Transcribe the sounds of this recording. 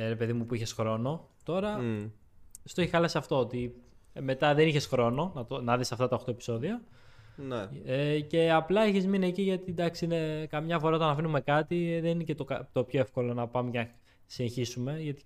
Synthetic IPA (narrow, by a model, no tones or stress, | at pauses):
ɾe̞pe̞ðimupuiçe̞sxɾo̞no̞ | t̪o̞ɾɐ | st̪oeçixɐlɐsiɐft̪o̞ot̪i | me̞t̪ɐðe̞niçe̞sxɾo̞no̞nɐt̪onɐðisɐft̪ɐt̪ɐoxt̪oepi̥so̞ðiɐ | nece̞ɐplɐeçizminie̞ciʝɐt̪id̪ɐksiine̞kɐmɲɐfo̞ɾɐot̪ɐnɐfinume̞kɐt̪iðeninicet̪okɐt̪opço̞e̞fko̞lo̞nɐpɐmecenɐ | sineçisume̞ʝɐt̪i̥